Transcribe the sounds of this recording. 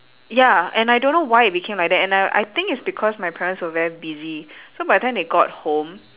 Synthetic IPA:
jaɛ̃najdõnːowajit̚bikʰẽmlajk̚dɛtɛ̃naʔa̰jt̪ɪ̃ŋkɪtsbikʰɔsmajpʰɛɹə̃ntswəvɛɹibizisobadɛ̃ndeɡɔt̚hõm

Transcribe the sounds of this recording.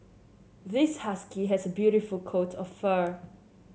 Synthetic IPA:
ðɪshaskiɦɛsəbjuɾifəlkʰotʰɔffə

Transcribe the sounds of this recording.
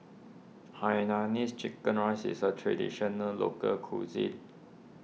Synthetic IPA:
hajnanist͡ʃikːə̃nɹasḭsətʰɹɛdḭʃənəlo̰kəkʰṵzḭ

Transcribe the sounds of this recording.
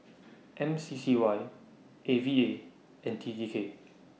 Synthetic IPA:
ʔɛ̃msisiwaj | ʔevie | ɛ̃ntʰid͡ʒikʰe

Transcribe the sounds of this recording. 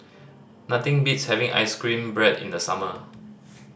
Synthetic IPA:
nat̪ɪ̃ŋbitshɛvɪ̃ŋʔa̰jskɹĩnbɹɛdɪ̰̃ndəsa̰mə

